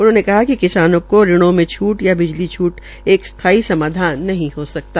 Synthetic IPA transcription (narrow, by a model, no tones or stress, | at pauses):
ʊnɦõːnekɐɦakikɪsaːnõkoɾɪɽ̃õmẽt͡ʃʰuːʈjabɪd͡ʒlit͡ʃʰuːʈ | eːkst̪ʰaːisɐmaːd̪ʱaːnːɐɦĩɦosɐk̚t̪aː